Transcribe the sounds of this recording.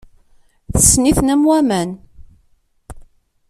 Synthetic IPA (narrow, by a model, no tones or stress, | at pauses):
θəsːniθnæmwæmæn